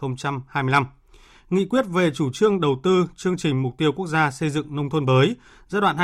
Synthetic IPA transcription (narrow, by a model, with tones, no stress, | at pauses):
ə˧wŋ͡mt͡ɕa˧mhaː˧jmɨ˧la˧m | ŋḭ˧˨kwi˦˥ət̚ve˨˩t͡ɕu˧˩t͡ɕɨ˧əŋɗə˨˩wt̪ɨ˧t͡ɕɨ˧əŋt͡ɕï˨˩ŋ̟mʊ˨˩k͡p̚t̪i˧əwku˦˥ək̚zaː˧sə˧jzɨ̰˧˨ŋnə˧wŋ͡mt̪ʰə˧nɓəː˨˦j | zaː˧ɗwa̰ː˧˨h